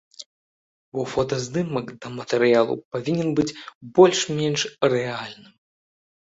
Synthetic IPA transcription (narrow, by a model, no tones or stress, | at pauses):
bɔfɔt̪ɐzd̪ɨmɐkd̪ɐmɐt̪ɛɾɨjalˠṵpavʲinʲɛnbɨt͡sʲbɔlʲʂmʲɛnʂrɛalʲnɨm